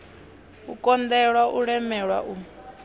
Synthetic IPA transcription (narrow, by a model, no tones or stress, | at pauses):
ṵkʼɔnd̪ɛɺwaʔuɺɛmɛɺwa̰ʔu